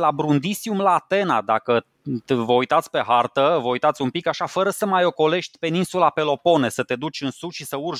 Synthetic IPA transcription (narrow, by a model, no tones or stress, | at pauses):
labɾund̪isiumlaːt̪e̞nad̪akə | vəujt̪at̪sʲpe̞ɦart̪əvəujt̪at̪sʲumpikaʃafəɾəsəmajo̞ko̞le̞ʃt̪̚ʲpe̞ninsulape̞lo̞po̞ne̞sət̪e̞d̪ut͡ʃʲɨnsuʃisəurʒ